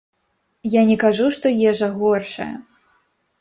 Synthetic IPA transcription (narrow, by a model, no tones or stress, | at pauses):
janʲɛkaʐuʂt̪ɔjɛʐɐɣɔrʂɐ̰jɐ̰